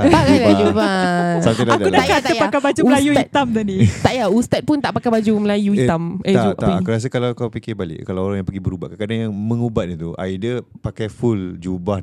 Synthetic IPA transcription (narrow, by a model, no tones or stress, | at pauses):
paad͡ʒubasamp̪alaaudakat̪aəjpakabad͡ʒuməlajuit̪amt̪adit̪aʔjaust̪at̪̚pʊnt̪aʔpakabad͡ʒuməlajuiameauaakuɾas̬əkalawkawpikibalɪ̰ʔkalaoɾaŋjãŋmpəɡibəɾuba̰ʔkakadaŋjaŋmə̃ŋubat̪̚nit̪ua̰idəpakajfuld͡ʒubah